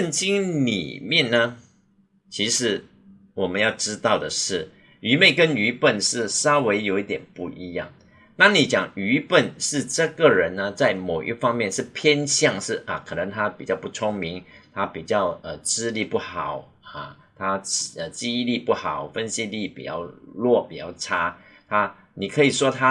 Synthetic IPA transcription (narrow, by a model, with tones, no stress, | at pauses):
ə˥˨nt͡ɕi˥ŋlḭ˨˩mjɛ˥˩nnə˧ | t͡ɕʰi˧˥ʂɻ̩˧˥ | wɔ˨˩mə˦njɑ˥˩ʊʈ͡ʂɻ̩˥t̪ɑ˥˩ʊd̪ə˩ʂɻ̩˥˩ | y˧˥me˥˩ɪkə˥ny˧˥pə˥˩nʂɻ̩˥˩sɑ˥we˧˥ɪjo˧ʊi˥˩t̪jɛ̰˨˩npu˥˧ʔi˧˥jɑ̰˥˩ŋ | na˥˩ni˨˥t͡ɕjɑ˨˩ŋy˧˥pə˥˩nʂɻ̩˥˧ʈ͡ʂɤ˥˧ɡə˨ɻə˧˦nːə˧t͡sa˥˩ɪmo˨˩ʊʔḭ˥fɑ˥ŋmjɛ˥˧nʂɻ̩˥˩pʰjɛ˥nɕjɑ˥˧ŋʂɻ̩˥˩ə˨˩kʰɤ˨˩nə˧˥ŋt̪ʰa˥pi˨˩t͡ɕjɑ˥˧ʊpu˥˩t͡sʰʊ˥ŋmi˧˥˦ŋt̪ʰa˥pi˨˩t͡ɕjɑ˥˩ʊə˨ʈ͡ʂɻ̩˥li˥˧pu˥˩xɑ˨˩˦ʊ | ɐ˩ | t̪ʰa˥˩ə˨˩t͡ɕi˥li˥˧pu˥˩xɑ˨˩˦ʊfə˦nɕi˥li˥˩pḭ˨˩t͡ɕjɑ̰˥˧ʊlwɔ˥˩pi˨˩t͡ɕjɑ̰˥˩ʊʈ͡ʂʰa˥ | t̪ʰa˥ | ni˨˩kʰɤ˧˥i˨˩ʂwɔ˥t̪ʰa˥